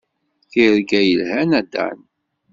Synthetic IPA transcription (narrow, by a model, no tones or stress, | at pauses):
θiɾɡæjəlhænæd̪æ̰n